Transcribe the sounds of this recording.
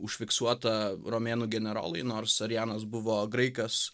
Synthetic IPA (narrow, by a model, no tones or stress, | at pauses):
ʊʃʲfʲɪksuɔt̪ɐɾomʲeːnuːɡʲɛnʲɛɾo̰ːlˠɐɪnoːɾsɐɾʲjæːnɐs̬bʊʋoːɡɾɐɪkɐs